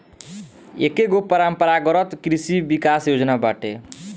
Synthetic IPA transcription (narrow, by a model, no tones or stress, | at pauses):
ḛkekopʌɾampʌɾaɡʌɾʌt̪kɾisibikasjod͡ʒnabaʈe